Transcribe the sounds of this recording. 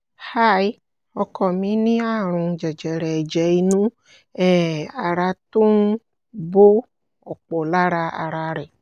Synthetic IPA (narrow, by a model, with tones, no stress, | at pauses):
ha˦j | ɔ˨kɔ˨mĩ˦nĩ˦a˦˨ɾ̃ũ˨d͡ʒɛ˨d͡ʒɛ˨ɾɛ˨d͡ʒɛ˨i˨nũ˦ | ɛ˨a˨ɾa˨t̪o˦ŋ˦ | bo˦ | o˨k͡po˨la˦ɾa˦a̰˨ɾa˨ɾɛ˨